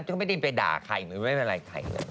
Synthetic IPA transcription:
ta˥˩m˥˩jda˥˧pa˧da̰ː˨˩kʰa̰˨˩jmɯː˨˦ma˥˩je˧nɾa˧jkʰa̰˨˩jlə̰ː˧j

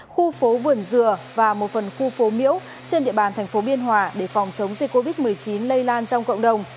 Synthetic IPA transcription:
xu˧fo˨˦vɨ˧˩ənzɨ˨˩əvaː˨˩mo˨˩t̚fə˨˩nxu˧fo˨˦mḭ˧˥əw | t͡ɕe˧nɗḭ˧˨əɓaː˨˩nt̪ʰɛ˨˩ŋ̟fo˨˦ɓi˧ənɦwaː˨˦ɗe˧˩fɔ˨˩wŋ͡mt͡ɕə˨˦wŋ͡mzï˨˩k̚kːo˧vi˦˥t̚mɨ˨˩əjt͡ɕi˨˦nlə˧jlaː˧nt͡ɕɔ˧wŋ͡mkə̰˧˨wŋ͡mɗə˨˩wŋ͡m

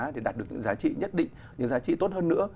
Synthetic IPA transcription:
ɗe˨˩ɗaː˨˩t̚ɗɨ˨˩əɲɨ̰˧˥ŋzaː˨˦t͡ɕḭ˧˨ɲə˦˥t̚ɗḭ̈˧˨ŋ | ɲɨ̰˧˥ŋzaː˨˦t͡ɕḭ˧˨t̪o˦˥t̚həː˧nːɨ̰˧˥ə

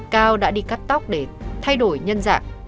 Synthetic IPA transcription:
kaː˧wɗa̰ː˧˥ɗi˧ka˦˥p̚t̪a˦˥wk͡p̚ɗe˧˩t̪ʰa˧jɗo˧˩jɲə˧nza̰ː˧˨ŋ

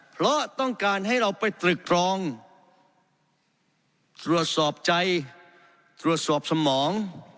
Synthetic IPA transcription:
pʰɾɔ˦˥t̪ɔ˥˩ŋkaː˧nɦa˥˩jɾa˧wpa˧jt̪ɾɯ˨˩k̚ɾɔː˧ŋ | t̪ɾu˨˩ət̪̚sɔː˨˩p̚t͡ɕa˧j | t̪ɾu˨˩ət̪̚sɔː˨˩p̚sa˧mɔː˩˦ŋ

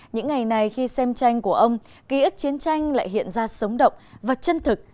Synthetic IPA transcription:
ɲɨ̰˧˥ŋːa˨˩jna˨˩jxi˧sɛ˧mt͡ɕa˧jŋ̟ku˧˩əʔə˧wŋ͡m | ki˨˦ʔi˦˥k̚t͡ɕi˨˦ənt͡ɕa˧jŋ̟la̰ː˧˨jɦḭ˧˨ənzaː˧sə˨˦wŋ͡mɗə̰˧˨wŋ͡mvaː˨˩t͡ɕə˧nt̪ʰɨ˨˩k̚

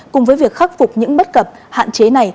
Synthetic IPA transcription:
kʊ˨˩ŋ͡mvəː˨˦jvi˨˩ək̚xa˦˥k̚fʊ˨˩k͡p̚ɲɨ̰˧˥ŋɓə˦˥t̚kə˨˩p̚ | ha̰ː˧˨nt͡ɕe˨˦na˨˩j

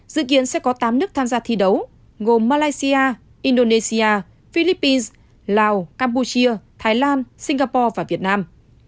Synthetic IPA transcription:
zɨ̰˧˨ki˨˦ənsɛ̰˧˥kɔ˨˦t̪aː˨˦mnɨ˦˥ək̚t̪ʰaː˧mzaː˧t̪ʰi˧ɗə˨˦w | ɣo˨˩mːaː˧laː˧jsi˧aː˧ | ʔi˧nɗo˧ne˧si˧aː˧ | fi˧li˦˥pːi˧ns | laː˨˧wkaː˧mpu˧t͡ɕi˧ət̪ʰaː˨˦jlaː˧nsi˧ŋ̟ɣaː˧pɔ˧vaː˨˩vi˨˩ət̚naː˧m

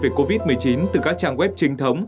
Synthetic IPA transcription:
ve˧˩ko˧vi˦˥t̚mɨ˨˩əjt͡ɕi˨˦nt̪ɨ˨˩kaː˦˥k̚t͡ɕaː˧ŋkwɛ˦˥p̚t͡ɕï˨˧ŋt̪ʰə˨˦wŋ͡m

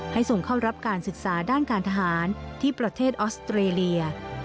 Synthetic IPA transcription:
ha˥˩jso˨˩ŋkʰa˥˩wɾa˦˥p̚kaː˧nsɯ˨˩k̚saː˩˦daː˥˩nkaː˧nt̪ʰa˧ɦaː˩˦nt̪ʰiː˥˩pɾa˧t̪ʰeː˥˩t̪̚ʔɔː˦˥st̪ɾeː˧li˧ɐ

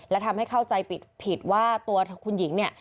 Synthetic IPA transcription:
lɛː˦˥wt̪ʰa˧mha˥˩jkʰa˥˩wt͡ɕa˧jpi˨˩t̪̚pʰi˨˩t̪̚waː˥˩t̪u˧ɐkʰu˧nji˩˦ŋni˥˩ɐ

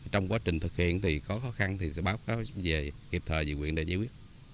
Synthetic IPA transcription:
t͡ɕɔ˧wŋ͡mkwaː˨˦t͡ɕï˨˩ŋ̟t̪ʰɨ˨˩k̚hḭ˧˨ənt̪ʰi˨˩xɔ˨˦xɔ˨˦xa˧nt̪ʰi˨˩sɛ̰˧˥ɓaː˨˦wkaː˨˦wve˨˩ki˨˩p̚t̪ʰəː˨˩zɨ̰˧˨kŋwḭ˧˨ənɗḛ˧˩zaː˨˧˦kwi˦˥ət̚

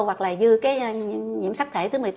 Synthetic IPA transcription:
wwa˨˩k̚laː˨˩zɨ˧kaː˨˦jɲḭ˧˥əmsa˦˥k̚t̪ʰe˧˩t̪ɨ˨˦m˨˩t

